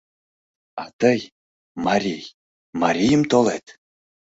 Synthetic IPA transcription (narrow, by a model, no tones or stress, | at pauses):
ɑt̪əj | maɾʲij | maɾʲijəmt̪olet̪